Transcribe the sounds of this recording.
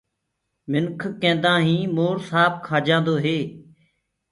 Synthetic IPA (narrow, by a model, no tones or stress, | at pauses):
mɪnkʰkẽːnd̪ãːɦĩːmoːɾsaːb̚kʰaːd͡ʒãːnd̪oːɦeː